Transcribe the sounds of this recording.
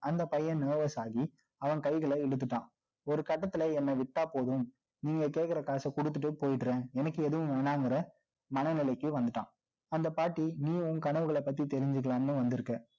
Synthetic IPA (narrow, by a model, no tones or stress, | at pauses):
ɐnd̪ɐpɐjːɐ̃neːʋɐsaːɣi | ɐʋɐnkɐɪɣɐɭɐɪɻɯt̪̬ːɯʈːã̰ː | ɔɾɯkɐʈːɐt̪ːɯlɐɛnːɐʋɪʈːaːpoːðɯm | niːŋɡɐkeːʈkɪɾɐkaːsɐkɔɽɯt̪̬ːɯʈ̬ːɯpoːjɪʈːɾẽːɛnɐkːɯɛðɯʋɯ̃mʋɛnaːŋɡɪɾɐ | mɐnɐnɪlɐɪkːɯʋɐnd̪ɯʈːã̰ː | ɐnd̪ɐpaːʈːiniːʋʊ̃ŋkɐɳɐʋɯɣɐɭɐpːɐt̪̬ːit̪ɛɾɪɲd͡ʒɯk̬ːɐɭaːnnɯ̃ʋɐnd̪ɯɾɯkːɐ